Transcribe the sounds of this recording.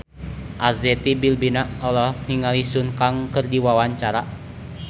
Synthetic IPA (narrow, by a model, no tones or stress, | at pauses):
ʔazɛt̪ibilbinaʔɔlɔhniŋalisunkaŋkɨrdiwawaɲt͡ʃaɾa